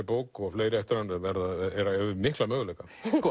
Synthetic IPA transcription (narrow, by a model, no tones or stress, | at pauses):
ɪpoːwkɔɣfleːjɾɪɛft̪ɪɾanvɛɾðaɛɾaɛʏnɪhklamœːɣʏlejka